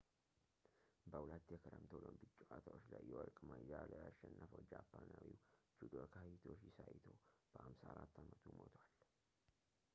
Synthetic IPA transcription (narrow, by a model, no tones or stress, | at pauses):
bəwlət̪ːjɛkʰəɾəmt̪ʰəwlombɨt͡ʃʼːuʔat̪ʰawot͡ʃːlajːɛwɔɾkʼmajaləaʃːɛnːəfəwd͡ʒapʰːanawiwd͡ʒud̪okʰahit̪ʰo̞t͡ʃːjɪsajt̪ʰowb̥əʔamsaaɾat̪ːamət̪ʰumot̪ʰwal